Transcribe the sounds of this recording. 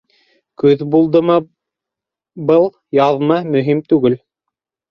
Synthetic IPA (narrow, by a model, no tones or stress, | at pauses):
kʉðbulˠd̪ɤmɤ | bɤlˠ | jɑðmɑmɵ̆ɦimt̪ʉɡɘl